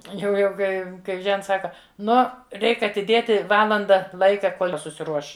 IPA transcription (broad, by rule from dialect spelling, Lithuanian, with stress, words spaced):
jɛʊ ˈjɛʊ ˈkɐɪ kɐɪ ˈʒʲɛnts ˈsɑːkɐ ˈnoː ˈrʲɛɪk ɐtʲɪˈdʲeːtʲɪ ˈʋɑːlˠɐndɐ ˈlˠɐɪkɐ ˈkoːlʲ ˈjɪ sʊsʲɪˈruɔʃ